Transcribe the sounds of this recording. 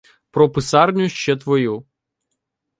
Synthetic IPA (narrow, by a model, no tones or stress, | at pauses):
pɾɔpɪsɑrnʲʊʃt͡ʃɛt̪ʋɔju